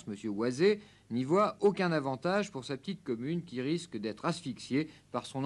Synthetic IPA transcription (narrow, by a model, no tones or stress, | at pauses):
sməsjøwaze | nivwaokʲɛ̃navɑ̃t̪aʒpuʁsapə̥t̪it̪̚kɔmynkʲiʁiskd̪ɛt̪χasfiksjepaʁsɔ̃n